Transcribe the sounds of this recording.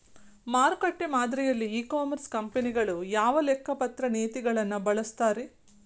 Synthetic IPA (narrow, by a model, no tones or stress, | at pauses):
maːɾkɐʈːemaːd̪ɾɛjɐlːiːkaːmɐɾskɐmpeniɡɐɭujaːʋɐlɛkːɐpɐt̪ɾɐneːt̪iɡɐɭɐnːɐbɐɭɐst̪aːɾe